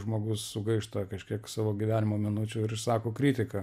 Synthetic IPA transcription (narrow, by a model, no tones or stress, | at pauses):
ʒmoːɡʊssʊɡɐɪʃt̪ɐkɐʃʲkʲiɛksɑːʋoːɡʲiʋʲæːnʲɪmoːmʲɪnʊt͡ʃʲʊɪɾɪsɑːkoːkɾʲiːt̪ʲɪkɐ